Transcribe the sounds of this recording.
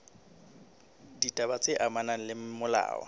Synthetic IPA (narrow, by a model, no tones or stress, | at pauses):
ditʼabat͡sʼɪʔamanalɪmʊla̰ːw̰